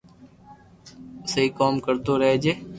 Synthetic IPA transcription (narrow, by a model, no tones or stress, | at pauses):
səiːkoːmkəɾt̪oːɾəɦeːd͡ʒeː